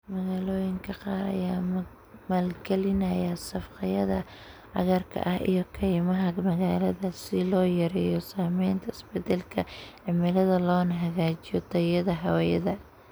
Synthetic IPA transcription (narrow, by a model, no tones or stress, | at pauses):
mɐɣaːlɔːjɪŋkʰɐqɑːɾɐ̰jaː | maːlɡɛlɪnɐjɐsɐfqɑjɐðɐ | ʕɐ̰ɣɐrkʰɐ̰ʔɐhḭjɔkʰɛjmɐɦɐɡmɐɣaːlɐðɐsɪlɔːjɐɾɛːjɔsaːmɛjnt̪ʰɐɪsbɛd̪ɐlkʰɐʕɪmɪlɐðɐlɔːnɐɦɐɣaːt͡ʃɪjɔt̪ʰɐjɐðɐɦɐwɛjɐ̰ðɐ